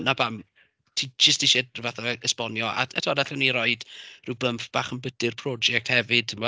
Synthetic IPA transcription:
nabam | tʰid͡ʒəstiʃɛdvaθaəspɔnjɔʔa̰ɛtʰɔdaɬɔniɾɔɨd̥rɪwbəmfb̥aːχənbəd̥ɨrpʰrɔd͡ʒɛk̚thɛvɨd̥mɔ

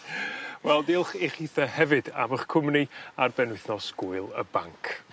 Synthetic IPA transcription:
wɛlˠdɪlˠχeχiθəhɛvɨda̰məχkʰʊmniarbɛnɪθnɔsɡ̥ʊɨlˠə̰ba̰ŋkʰ

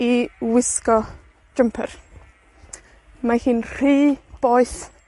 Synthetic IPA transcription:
iwɪskɔ̥ | əmpʰər | mahiːnr̥iːb̥oːjθ

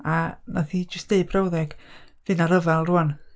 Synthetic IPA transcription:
anaθid͡ʒəstdeɨbrawðɛɡ̥ðɨnaɾəvalˠruɔn

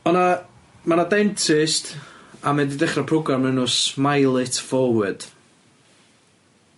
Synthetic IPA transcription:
ɔna | manadɛntʰɪstamɛdidɛχrapʰrɔɡramənʊsmajlˠɪtʰvɔwɨd̥

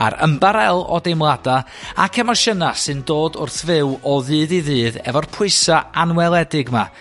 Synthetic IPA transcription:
a̰ɾə̰mbaɾɛlˠɔ̰demlˠada | akʰɛmaʃənasɨndoːdʊ̰rθvɪwɔðɨːðiðɨːðɛ̰vɔrpʰʊɨsaanwɛlˠɛdɪɡma̰

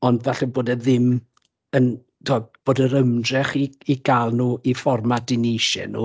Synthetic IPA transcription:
ɔndvaɬɛboːdɛðɪm | ən | tʰob̚b̥oːdəɾəmdrɛχiiɡ̥alˠnuːʔifɔrmadɪnejʃɛ̰nṵ

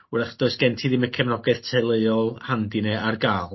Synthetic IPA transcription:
ɾɛχd̥oɨsɡ̥ɛntʰiðimɛkʰɛmnɔɡɛð̥tʰejlˠeɨɔlˠhandinɛʔarɡaːlˠ

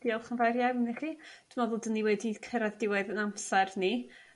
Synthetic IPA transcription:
d̥iɔlˠχənvaɾjaəniχid̥ʰəmɔðʊlˠdənːiwɛdikʰəɾɛðdɪwɛɨðənamsɛrni

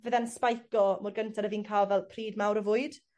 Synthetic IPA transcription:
vəðanspajkɔmʊrɡəntʰaɾəviːnkʰaːlˠvɛlˠpʰriːdmawɾəvʊɨd̥

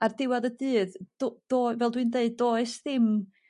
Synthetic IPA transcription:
ardɪwaðədɨːðd̥od̥ovɛlˠdwindeɨdːoːɨsðɪm

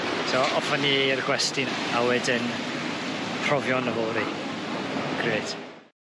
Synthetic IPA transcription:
sɔɔfaniərɡwɛstɪnawɛdɪn | pʰrɔvjɔnəvɔːɾi | ɡ̥reːd̥

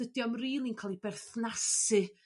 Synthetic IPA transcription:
ədjɔmriːlˠinkʰalˠibɛrθnasɨ

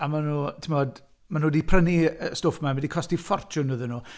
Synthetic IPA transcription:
amanuːtʰɪmɔd | manuːdipʰrəniəstoːfəmamɛdikʰɔstifɔrt͡ʃʰʊnəðənuː

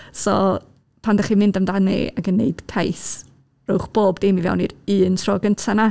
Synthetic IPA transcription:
sɔ | pʰandaχimɪndəmdanɨ̰a̰ɡənːḛɨd̥kʰajθ | rʊwχb̥oːbdɪmivɛ̰wnḭdɨːntʰrɔːɡəntʰana

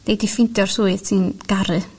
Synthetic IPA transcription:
n̥ejdifɪntʰjɔrsuɨð̥sʰɨnɡ̥aɾɨ

